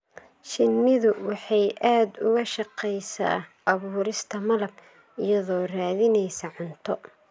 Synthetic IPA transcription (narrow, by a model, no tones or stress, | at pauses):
ʃɪnːɪðʊwɑħɑjʔaːd̪ʊɣɐʃɑqɛjsa̰ːʔɐβuːɾɪst̪ʰɐmɐlɐb | ɪjɐðɔːraːðɪnɛjsɐʕʊnt̪ʰɔ